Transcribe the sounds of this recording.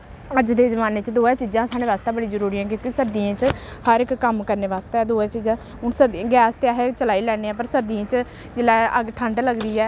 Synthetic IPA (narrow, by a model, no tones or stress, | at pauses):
əd͡ʒd̪eːzəmaːneːt͡ʃd̪oːɛːt͡ʃiːd͡ʒãːsaːɽeːʋaːst̪aːbəɽiːzəɾuːɾiːãːk̬jõːkisəɾd̪iãːt͡ʃhəɾɪkːəmkəɾneːʋaːst̪aɛːd̪oːɛːt͡ʃiːd͡ʒãː | ʊnsəɾd̪̃ɡɛːst̪eaːɦet͡ʃəlaːiːlɛːneːãːpəɾsəɾd̪iãːt͡ʃ | d͡ʒɪlɛːəɡʈʰə̃ɳɖləɡd̪iːɛː